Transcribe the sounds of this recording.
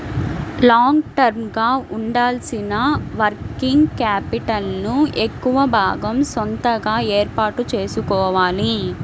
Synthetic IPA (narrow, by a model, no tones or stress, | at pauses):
laːŋɡʈɐɾmɡaːuɳɖaːlsinɐʋɐɾkiŋɡkaːpiʈɐlnuekːuʋɐbʱaːɡɐmsont̪ɐɡaːeːɾpaːʈut͡ʃe̞ːsukɔːʋaːli